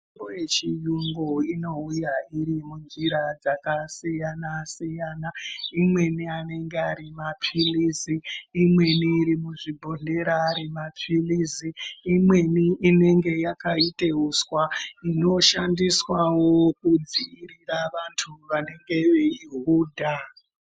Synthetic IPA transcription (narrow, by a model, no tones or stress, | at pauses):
imbojet͡ʃijuŋɡoino̞ujaiɾimund͡ʒiɾad͡zakasijanasijanaimwe̞niane̞ŋɡeaɾimap͡filiziːmwe̞niːɾimuʐibʱo̞ɮe̞ɾaːɾimap͡filiziːmwe̞niʔine̞ŋɡe̞jakaiteuswaino̞ʃandiswawo̞kud͡ziːɾiraʋantʰuʋane̞ŋɡe̞ʋeiɦuːdʱa